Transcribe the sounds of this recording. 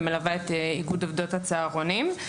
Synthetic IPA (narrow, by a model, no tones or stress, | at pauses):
melavaet̪iɡudovdo̞that͡seaʁo̞nim